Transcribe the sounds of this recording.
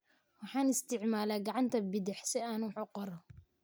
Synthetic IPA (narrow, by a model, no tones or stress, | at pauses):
wɑħɑːnɪst̪ʰɪʕmaːlaːɡɑʕɑnt̪ʰɐbɪðɪħsɪaːnwħuqɔɾɔ